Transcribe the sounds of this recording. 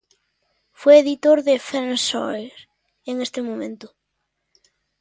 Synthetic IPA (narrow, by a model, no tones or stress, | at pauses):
fejeðit̪oɾðɪfansɔjɾ | eŋest̪ɪmomḛ̃nt̪ʊ̥